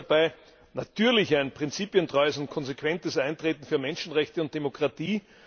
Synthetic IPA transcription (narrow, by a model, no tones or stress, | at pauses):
b̥aɪ | natʰyːɐlɪçaɪnpʁ̥ɪnt͡siːpjəntʁɔʏəsʊnt̚kʰɔnzekʰv̥ɛntəsʔãɪntʁeːtn̩fyːɐmɛnʃn̩ʁɛçtəʊnt̚d̥emokʁ̥atiː